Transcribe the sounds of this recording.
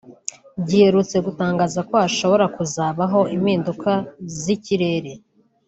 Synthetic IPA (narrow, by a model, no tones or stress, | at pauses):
bɟiheɾut͡se̞ɡutaːŋɡaːzako̞aʃo̞βo̞ɾakuzaːβaɦo̞imiːndukʰaziciɾe̞ɾe̞